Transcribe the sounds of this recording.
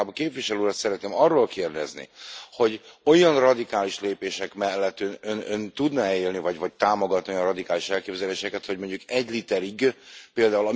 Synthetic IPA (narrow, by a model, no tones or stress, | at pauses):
bɒkeːpviʃɛløːɾɒt̪sɛɾɛt̪neːmɒrːoːlkeːrd̪ɛznḭho̞ɟo̞jɒnrɒd̪ikaːliʃleːpeːʃɛkmɛlːɛt̪ːønønønt̪ud̪nɒɛeːlnivɒɟvɒc̚t̪aːmoɡɒt̪nnoijɒnrɒd̪ikaːliʃɛlkeːbzɛleːʃɛkɛt̪hɒɟmoɲɟukɛɟlit̪ɛɾiɡpeːld̪aːulɒ